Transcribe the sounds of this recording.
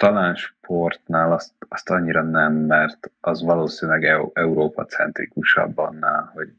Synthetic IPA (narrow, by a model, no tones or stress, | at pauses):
t̪ɒlaːnʃpʰo̞rt̪naːlɒst̪ɒst̪ɒɲːiɾɒnɛmːɛrt̪ɒzʋɒloːsinilɛɡɛʔɛuɾoːpɒt̪sɛnt̪ɾḭkuʃɒ̰bːɒ̰nːaːlho̞ɟ